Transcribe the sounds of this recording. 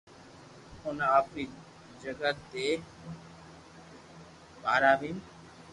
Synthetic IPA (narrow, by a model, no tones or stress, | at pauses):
onapni | d͡ʒəɡat̪ːe | baɾabin